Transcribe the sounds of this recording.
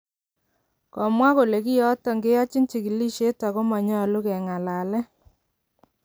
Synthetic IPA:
kɔ˨mwa˦ko˨le˨ki˦jɔ˦tɔ˨ŋɡe˦ja˦t͡ʃi˦nt͡ʃi˨ki˨li˦ʃe˦ta˨ko˦mɔ˨ɲɔ˦˨lu˦kɛ˨ŋa˨la˨lɛ˦

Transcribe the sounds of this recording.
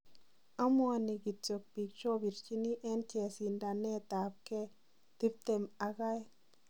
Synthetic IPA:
a˦mo˦˨ni˨ɡi˨t̪̚t͡so˨k̚bi˨k̚t͡ʃo˦bi˨ɾt͡ʃi˦ni˦ʔe˦nt͡ʃe˨si˧nda˧ne˦t̪a˨p̚ke˦ | t̪i˦p̚t̪e˧ma˧ɡa˦j

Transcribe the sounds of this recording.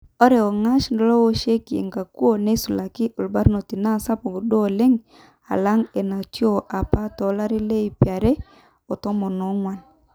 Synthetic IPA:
ɔ˦ɾe˨o˨ŋa˦ʃndɔ˦lɔ˦wo˦ʃe˦kḛ˨ŋɡa˨ku˦o˨ne˦su˨la˨kɪ˦ʔo˨lba˦ɾno˨ti˨na˦˨sa˦po˨ku˨do˦˨le˦ŋ | a̰˨la˦ŋe˨na˨tjo˦˨ʔa˨pa˦tɔ˨˦la˦ɾi˦le˦i˨pja˨ɾe˦ | o˨to˦mɔ˨no˨˦ŋwa˨n

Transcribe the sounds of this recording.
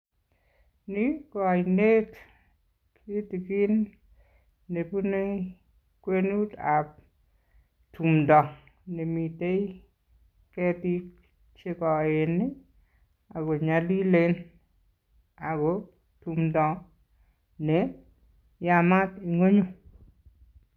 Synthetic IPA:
nɪ˦kɔ˨ne˦t | kʰi˦ti˨ki˦n | e˨pu˦ne˦ | kwe˦nu˦ta˨p̚ | tʰu˨mdɔ˨ | ne˨mi˨te˦ | ke˦ti˦k | t͡ʃe˦kɔ˨ɪ˨nɪ˦ | a˨ɡɔ˨ɲa˨li˦le˦n | a˨ɡɔ˨ | tu˨mdɔ˨ | nɛ˨ | ja˨ma˦ti˨ŋo˦ɲo˨

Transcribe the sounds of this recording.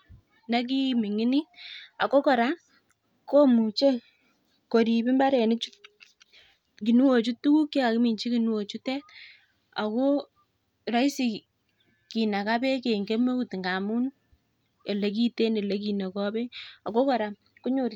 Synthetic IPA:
na˦k̬i˦mɪ˨ŋɪ˦ni˦a˨ko˦kɔ˨ɾa˦ | ko˦mu˨t͡ʃe˦ | ko˨ɾi˨bi˦mba˦ɾɛ˨ni˦t͡ʃu˦t | ki˨nu˦wo˨t͡ʃu˦tu˦ku˦kːa˦ka˨ki˦mi˨ɲt͡ʃi˦ki˨nu˦wo˨t͡ʃu˦tɛ˦t | a̰˨ko˦ | ɾa˦i˦si˨ | ki˨na˨ka˦bɛ˦ke˨ŋɡe˦mo˦u˦tŋɡa˨mu˦n | e˨le˦k̬i˦te˦ne˨le˦k̬i˨na˨kɔ˦bɛ˦a˨ko˦kɔ˨ɾa˨m | ku˦ɲo˦˨ɾ

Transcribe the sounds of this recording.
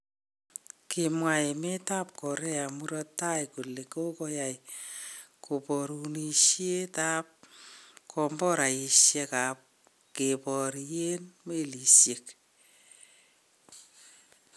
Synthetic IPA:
kemwae˨me˦ta˦p̚kɔ˨ɾɛ˦a˨mu˦ɾɔ˦ta˦jku˨le˨ko˦kɔja˨j | ko˨pɔɾu˨niʃje˦ta˦p̚kʰɔ˧mbɔ˦ɾa˨i˨ʃjɛ˦ka˨p̚ | ke˨pɔ˨ɾje˦nme˦li˨sje˨k

